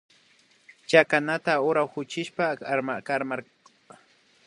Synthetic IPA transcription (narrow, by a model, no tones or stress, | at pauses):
t͡ʃakanat̪aʊɾawhʊt͡ʃɪʃpamkaɾmaɾ